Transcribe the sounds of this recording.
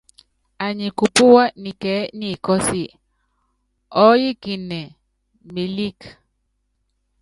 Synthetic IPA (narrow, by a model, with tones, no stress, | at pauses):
a˨ɲi˨ku˨pʊ˦wa˦ni˨kɛ˨˦ni˦˨kɔ˦sɪ˦ | ɔ˦jɪ˦kɪ˨nɛ˨ | mi˨li˦k